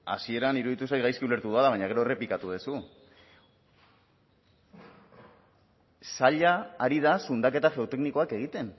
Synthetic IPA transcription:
a̰sie̞ɾaniɾuðit̪usajɣajskiule̞ɾt̪uðualaβajɲaɣe̞ɾo̞e̞re̞plikat̪uð̞esu | saʎaːɾiðasund̪ake̞t̪aʝe̞ot̪e̞kniko̞ake̞ɣ̞it̪e̞n

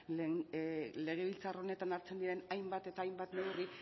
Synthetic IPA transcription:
le̞ɣ̞e̞βilt͡saro̞ne̞t̪anaɾt͡se̞nd̪iɾe̞najmbat̪e̞t̪aːjmbat̪ne̞wri

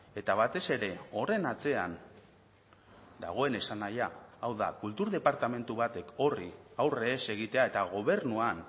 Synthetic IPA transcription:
e̞t̪aβ̞at̪e̞se̞ɾe̞o̞re̞nat͡se̞an | d̪a̰ɣ̞o̞e̞ne̞sanajaːwða̰kult̪uɾðe̞paɾt̪ame̞nt̪uβat̪e̞ko̞riawre̞ːse̞ɣ̞it̪e̞ae̞t̪aɣ̞o̞β̞e̞ɾnuan

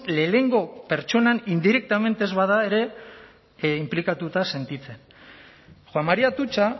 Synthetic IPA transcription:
le̞ːle̞ŋɡo̞pe̞ɾt͡ʃo̞nanind̪iɾe̞k̚t̪ame̞nt̪e̞zβaðae̞ɾe̞ | implikat̪ut̪ase̞nt̪it͡se̞n | xwammaɾiat̪ut͡ʃa

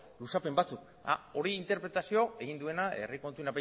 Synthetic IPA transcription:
lusape̞mbat͡suk | a̰o̞ɾiint̪e̞ɾpɾe̞t̪asio̞e̞ɣind̪ue̞nae̞̰riko̞nt̪unape

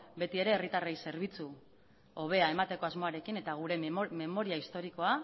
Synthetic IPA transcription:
be̞t̪ie̞ɾe̞ːrit̪arejse̞ɾβ̞it͡su | o̞β̞e̞ae̞mat̪e̞ko̞azmo̞aɾe̞kine̞t̪aɣ̞uɾe̞me̞mo̞ɾiaist̪o̞ɾiko̞a

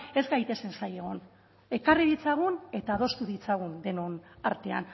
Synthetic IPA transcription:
e̞zɡajt̪e̞sensaje̞ɣ̞o̞n | e̞kariðit͡saɣ̞une̞t̪aːð̞o̞st̪uðit͡saɣ̞und̪e̞nona̰ɾt̪e̞a̰n

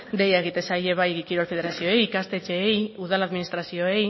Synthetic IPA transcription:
d̪e̞jaeɣ̞it̪e̞saje̞βajkiɾo̞lfe̞ð̞e̞ɾasio̞ejikast̪e̞t͡ʃe̞juðalaðminist̪ɾasio̞e̞j

